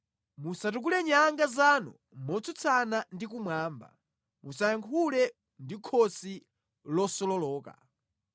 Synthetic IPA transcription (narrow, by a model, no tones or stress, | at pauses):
musatuk̬ulɛɲaŋɡazanɔ̰ | mɔt͡sʰut͡sʰanandikumwaːmba̰ | musajaŋkʰulɛ | ndikʰɔsi | lɔsɔlɔlɔːka̰